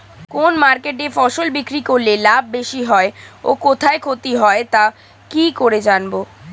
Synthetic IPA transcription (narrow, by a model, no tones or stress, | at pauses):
konmaɾkeʈefɔʃolbikɾikoɾlelabʱːeʃiɦɔeokot̪ʰaekʰot̪iɦɔet̪a | kikoɾed͡ʑanbo